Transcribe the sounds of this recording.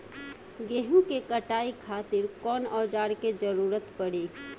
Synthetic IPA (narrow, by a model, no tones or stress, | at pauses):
ɡeɦũkekəʈaːikʰaːt̪ɪɾkɔːnɔːd͡ʒaːɽked͡ʒəɾuːɾət̪pəɽeː